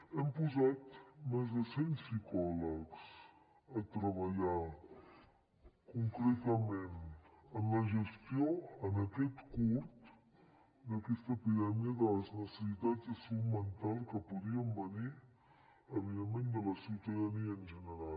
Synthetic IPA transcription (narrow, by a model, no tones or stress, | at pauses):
ɛmpuzat̪mɛzðəsɛnsikɔləks | ət̪ɾəβəʎa | kuŋkɾet̪əmenənləʒəst̪ioənəkɛt̪kuɾt̪ | d̪əkɛst̪əpiðɛmiəðələznəsəsit̪ad͡zəsumənt̪alˠkəpuðiəmbəni | əβiðemːẽnd̪ələsiwt̪əðəniəːnʒənəɾal